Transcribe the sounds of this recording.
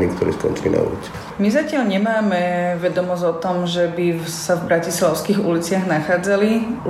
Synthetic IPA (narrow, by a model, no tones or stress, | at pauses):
nik̚t̪ɔɾḭːskɔ̰nt͡ʃilḭna̰ṵlḭt͡si | mizacɪaʎɲɛmaːmɛʋɛd̪ɔmɔzɔt̪ɔmʒɛbi | savbɾacislaʊskiɣulit͡sɪaɣnaxaːd͡zali